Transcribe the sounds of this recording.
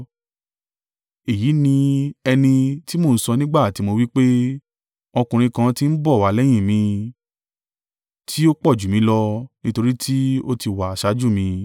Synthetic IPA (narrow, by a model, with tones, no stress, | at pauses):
e˨ji˨˦nĩ˧ɛ˧nĩ˧ti˦mo˧˨n̩˦sɔ˧nĩ˦ɡ͡ba˦˨ti˧˦mo˧wi˦k͡pe˦ | ɔ˧kũ˨ɾ̃ĩ˧kã˧ti˦n̩˦bɔ˦˨wa˨˦˨lɛ˦j̃ĩ˦˨mĩ˧ | tʰi˦o˦k͡pɔ˦˨d͡ʒu˨mĩ˧˦lɔ˧nĩ˦to˧ɾi˦tʰi˦o˦ti˧wa˨a˨ʃa˨˦d͡ʒu˦˨mĩ˧